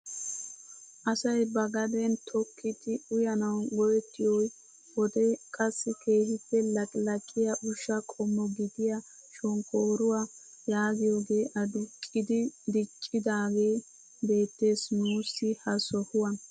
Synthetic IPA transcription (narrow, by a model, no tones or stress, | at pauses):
ʔɐsɐjbɐɡɐd̪ɛnt̪ʰɔkʰːɪt̪ɪʊjɐnɐwɡɔjɛt̪ːɪjɔj | wɔd̪ɛkʼɐsːɪke̞ːhɪtːɛlɐkʼlɐkʼːɪjaʔʊʃːɐkʼɔmːɔɡɪd̪ɪja | ʃɔŋkoːɾʊwaː | jaːɡɪjo̞ːɡe̞ːʔɐd̪ʊkʼːɪd̪ɪd̪ɪt͡ʃʼːɪd̪aːɡe̞ː | be̞ːt̪ːe̞ːsnuːsːɪhɐsɔhʊwɐn